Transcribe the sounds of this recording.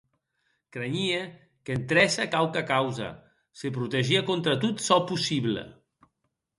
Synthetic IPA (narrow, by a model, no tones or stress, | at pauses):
kɾeɲie | kent̪ɾɛsakawkakawza̰ | sepɾut̪eʒiakont̪ɾat̪ut̪sɔpusiβlə̰